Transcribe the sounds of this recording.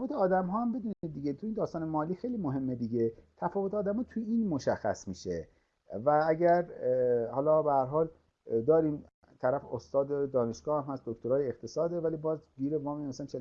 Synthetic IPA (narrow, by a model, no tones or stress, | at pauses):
vot̪ʰeɒːd̪æmɦɒːhæmbed̪uːnid̪d̪ːiːɡet̪ʰuiːnd̪ɒːst̪ɒːnemɒːliːxejliːmoɦe̞mːe̞d̪iːɟet̪ʰæfɒːvot̪eːd̪æmhɒːt̪ʰujeiːnmoʃæxːæ̰smiːʃe | vææɟæɾhɒːlɒːbehæɾɦɒːl | d̪ɒːɾiːm | t̪ʰæɾæfost̪ɒːd̪ed̪ɒːne̞ʃɡ̥ɒːhæmhæsd̪okt̪oɾɒːjeeqt̪ʰesɒːd̪evælibɒːzɡiːɾemɒːmemæsææmt͡ʃʰel